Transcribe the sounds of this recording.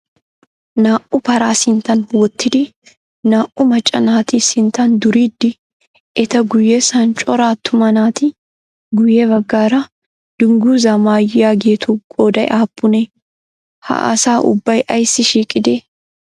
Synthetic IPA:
naːʔʊpɐɾaːsɪnt̪ɐnwɔt̪ːɪd̪ɪ | naːʔʊmɐt͡ʃʼːɐnaːt̪isɪnt̪ɐnd̪ʊɾiːd̪ːɪ | ʔɛt̪ɐɡʊjːɛsɐnt͡ʃʼɔɾaːt̪ʰːʊmɐnaːt̪ɪ | ɡʊjːɛbɐɡːaːɾɐ | d̪̥ʊŋɡuːzamaːjɪjaːɡeːt̪uːɡʼoːd̪ɐj̰ʔaːpʼːʊnɛ | ha̰ʔɐ̰saːʔʊ̰bːɐjʔɐjsːɪʃiːkʼɪd̪eː

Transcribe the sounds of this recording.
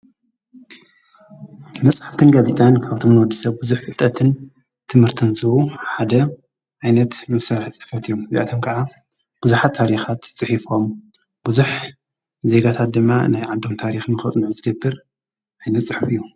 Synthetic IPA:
mɐt͡sʼħaft̪ʰɨnɡazet̪ʰʼankʰaβt̪ʰomɨnwɔd̪ːɨsɐβbuzuħfɨlt̪ʼːɐt̪ʰɨn | t̪ʰɨmhɨɾt̪ʰɨnzɨβuħad̪ɐ | ʕajnɐt̪mɐsaɾħt͡sʼɨ̥ħfɐt̪ɨjːomɨzeʔat̪ʰomkʰɐʕa | b̥uzuħat̪ʰːaɾixat̪t͡sʼɨħifo̞m | b̥uzuħ | ze̞ɡat̪ʰat̪̚d̪ɨmːanajʕad̪o̞mt̪ʰaɾixnɨxɐt͡sʼnɨʕuzɨɡɐbːɨɾ | ʕajnɐt̪sʼɨħfɨjːu

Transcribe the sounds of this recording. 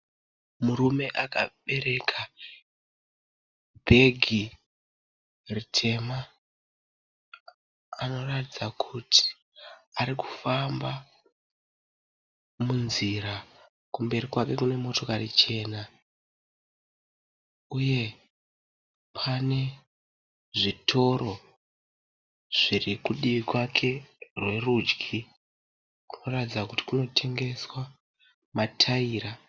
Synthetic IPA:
muɾume̞ʔaka̰ɓe̞ɾe̞kʰa | bʱe̞ɡʱi | ritʰe̞ma | ano̞ratid͡zakʰutʰi̥ | aɾiku̥famba | munziɾa | kumbe̞ɾikwake̞kune̞mo̞to̞karit͡ʃe̞ːna | uje̞ | pʰane̞ | ʐitʰo̞ɾo̞ | ʐ̥irikuɗiʋikwakʰe̞rwe̞rud͡ʒɡʱi | ku̥no̞ratid͡zakuti̥kuno̞tʰe̞ŋɡe̞swa | matʰaiːɾa

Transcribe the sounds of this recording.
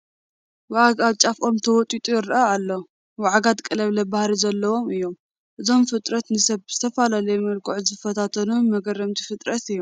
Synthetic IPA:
waʕɡaβt͡ʃʼafʔo̞mt̪ʰɐwɔt̪ʼit̪ʼujɪɾʔaalːo | waʕɡat̪kʼɐlɐβlɐbahɾizɐlːɐwo̞mɨjːo̞m | ʔɨzo̞mfɨt̪ʼɾɐt̪nɨsɐβz̥ɨt̪ʰɐfalalɐjmɐlkʰʼoʕzɨfɐt̪ʰat̪ʰɐnumɐɡɐrːɐmt̪ʰi̥fɨt̪ʼɾɐt̪ɨjːo

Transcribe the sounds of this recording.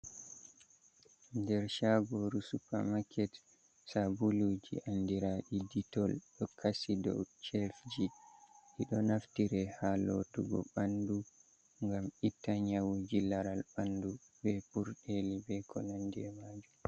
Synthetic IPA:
ndɛɾʃaɡɔɾusupa̰makʰɛt | sabulud͡ʒḭʔandiɾaɗiditɔlɗɔkʰasidɔ̰wt͡ʃɛfd͡ʒiʔiɗɔnaftiɾɛhalo̰tuɡɔ̰ɓandu | ŋɡamitːaɲawud͡ʒilaɾalbandu | bɛpuɾɗelibɛkɔnandɛ̰mad͡ʒu

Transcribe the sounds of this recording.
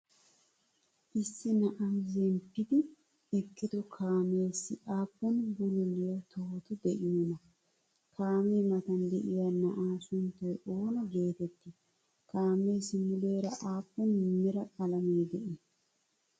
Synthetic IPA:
ʔɪsːɪnɐʔazɛmpːɪd̪ɪ | ɛkːɪd̪ɔkʰaːmeːsɪʔaːpːɔnbʊlʊlːɪjɐt̪ʰɔhɔt̪ʊd̪ɛʔɪmɪnɐ | kʰaːmeːmɐt̪ɐnd̪ɛʔɪjɐnɐʔaːsʊnt̪ːɔjʔoːnɔɡe̞ːt̪ɛt̪ːɪ | kaːme̞ːsɪmʊleːɾɐʔaːpːɔnmɪɾɐkʼɐlɐmeːd̪ɛʔɪ

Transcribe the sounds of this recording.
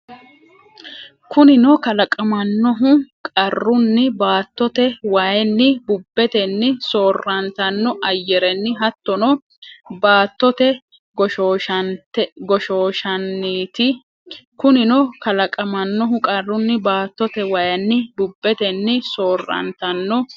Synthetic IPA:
kʊnɪnɔkɐlɐkʼɐmɐnːɔɦʊkʼɐrːʊnːɪbaːt̪ːɔt̪ɛwajɛnːɪbʊbːɛt̪ɛnːɪso̞ːrːɐnt̪ɐnːɔʔɐjːɛɾɛnːɪɦɐt̪ːɔnɔ | baːt̪ːɔt̪ɛ | ɡɔʃoːt̪ɡɔʃoːʃɐnːiːt̪ɪ | kʊnɪnɔkɐlɐkʼɐmɐnːɔɦʊkʼɐrːʊnːɪbaːt̪ːɔt̪ɛwɐjɐnːɪbʊbːɛt̪ɛnːɪso̞ːrːɐ̰nt̪ɐnːɔ

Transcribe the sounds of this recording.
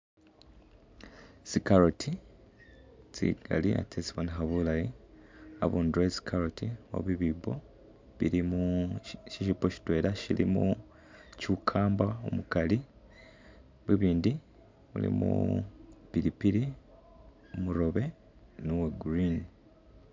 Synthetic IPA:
sikaɾotʰi | t͡sḭɡ̥a̰lia̰tʰesβanɦaβulaji | a̰βuːndɾesi̥kʰaɾotʰiwo̰βwiβiːbo | βiɾimuʃiʃipoʃi̥twe̞ːɾaʃilḭmṵ | cukʰaːmbao̰mukali | βwiβiːndi | βṵlḭmṵ | piɾipiɾi | omuɾo̞βe̞ | nuweɡɾin

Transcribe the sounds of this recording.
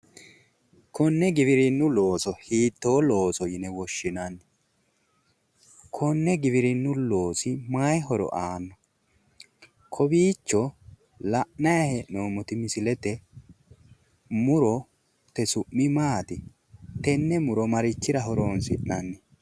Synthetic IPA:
kʰɔnːɛɡɪbɪɾɪnːʊlo̞ːsɔhiːt̪ːo̞ːlo̞ːsɔjɪnɛwɔʃːɪnɐnːɛ | kʰɔnːɛɡɪbɪɾɪnːʊlo̞ːsɪmajɦɔɾɔ̰ʔaːnːɔ | kʰɔbiːt͡ʃːɔ | lɐʔnɐjɐhɛʔnoːmʊt̪ɪmɪsɪlɛt̪ɛ | mʊɾɔ | t̪ɛsʊʔːɪmaːt̪ɪ | t̪ɛnːɛmʊɾɔmɐɾɪt͡ʃːɪɾɐɦɔɾoːnsɪ̰ʔnɐnːɛ

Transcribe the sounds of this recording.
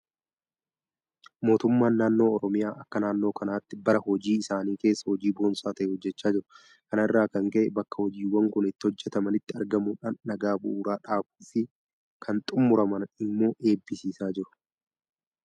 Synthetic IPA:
mo̞ːt̪ʊmːaːnːaːnːo̞ːɔɾɔmɪjaːʔɐkːɐnaːnːo̞ːkɐnaːt̪ːɪbɐɾɐhɔd͡ʒiːɪsaːniːke̞ːsːɐhɔd͡ʒiːboːnsaːt̪ɐʔɛhɔd͡ʒːɛt͡ʃːaːd͡ʒɪɾʊ | kɐnɪrːaːkɐŋkɐʔɛbɐkːɐhɔd͡ʒiːwːɐŋkʊnɪt̪ːɪhɔd͡ʒːɛt̪ɐmɐnɪt̪ːɪɐɾɡɐmuːᶑaːnːɐɡaːbʊ̰ʔuːɾaːᶑaːbu̥ːfɪ | kʰɐnt̪ʼʊmːʊɾɐmɐnɪmːo̞ːʔe̞ːbːɪsiːsaːd͡ʒɪɾʊ̥

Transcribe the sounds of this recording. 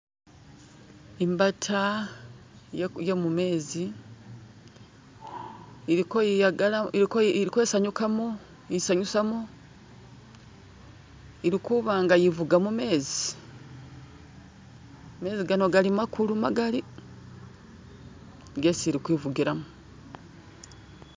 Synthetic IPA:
imbatʰa | jemume̞ːzi | iikoiaɡ | iɾikwe̞ːsaɲukamu | isaɲusamu | iɾikuβaːŋɡajivuɡamume̞ːzi̥ | me̞ːziɡano̞ɡalimakʰuluma̰ɡali | ɡesiɾikwiːvuɡiɾamu

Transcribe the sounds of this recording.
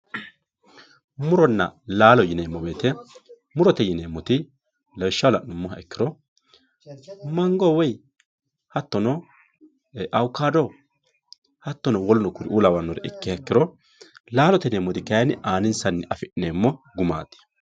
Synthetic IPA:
mʊɾɔnːɐ̰laːlɔjɪneːmːɔbeːt̪ɛ | mʊɾɔt̪ɛjɪneːmːɔt̪ɪ | lɐwʃːɐwlɐnːʊmːɔhɐɛkːɪɾɔ | mɐŋɡɔwɛj | hɐt̪ːɔnɔ | ʔɐwkːaːd̪ɔ | hɐt̪ːɔnɔwɔlnɔkʊɾɪ̰ʔuːlɐwɐnːɔɾɛʔɛkːɪhɐɛkːɪɾɔ | laːlɔt̪ɛneːmːɔt̪ɪkɐjɐnɪaːnɪnsɐnːɛɪɐfɪʔneːmːɔɡʊma̰ːt̪ɪ̥

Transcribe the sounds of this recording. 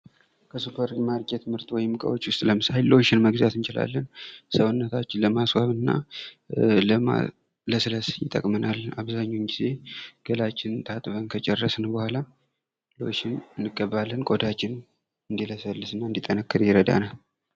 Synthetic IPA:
kʰəsupʰəɾmaɾɡʼet̪mɨɾt̪ʼwɔjɪmkʼə̰wot͡ʃːwʊst̪ʼləmɨsajɪlːo̞ʃɪnməɡzat̪ɨnt͡ʃɪla̰lːənsəwɨnːət̪ʰat͡ʃːɪnləmaswaβɨnːa̰ | ləa̰ | ləsɨləsjɪt̪ʼːə̰kʼmənalaβzaɲːoɲɡize̞ɡ̥əlat͡ʃːɪnt̪ʰat̪ʼβənkʰət͡ʃʼɛrːəsnəbəhʷala | loʃɪnɨnːɨɡʼːəβːalːənkʼod̪at͡ʃːɪn | ɨnd̪iləsəlːɨsɨnːaɨnd̪it̪ʼːənəkːɨɾjɪɾəd̪a̰nal

